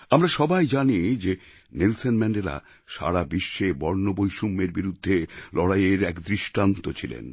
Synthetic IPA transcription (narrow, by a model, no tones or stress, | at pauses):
amɾaʃɔbajd͡ʑanid͡ʑe | nelsonmɛɳɖela̰ | ʃa̰ɾabiʃːebɔɾnobojʃumːeɾbiɾud̪ʱːelɔɽajeɾɛkd̪ɾiʃʈant̪ot͡ɕʰilḛn